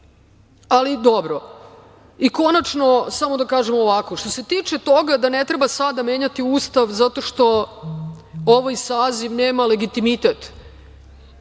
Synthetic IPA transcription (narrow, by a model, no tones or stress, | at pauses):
alid̪o̞bɾo̞ | iko̞nat͡ʃno̞samo̞d̪akaːʒemoʋako̞ʃt̪o̞se̞t̪iːt͡ʃet̪o̞ɡad̪ane̞t̪ɾebasad̪ame̞ːɲat̪iuːst̪aʋzat̪o̞ʃt̪o̞ | oʋajsaːziʋne̞ːmale̞ɡit̪imit̪et̪